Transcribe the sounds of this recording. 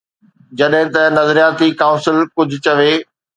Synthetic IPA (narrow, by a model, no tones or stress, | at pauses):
d͡ʑɐɗɦɪ̃t̪ɐnɐzɾijaːt̪ikaːʊ̃nsɪlkʊd͡ʑʱʊ̆t͡ɕɐʋeː